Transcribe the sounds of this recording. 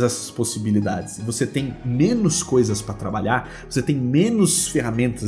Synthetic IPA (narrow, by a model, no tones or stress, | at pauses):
zɛsɐ̥sposibilid̪ad͡ʒɪsɪvoset̪ẽj̃mẽnʊskojzɐspɾɐt̪ɾabaʎaɾ | voset̪ẽj̃mẽnʊsfeɦamẽnt̪ɐ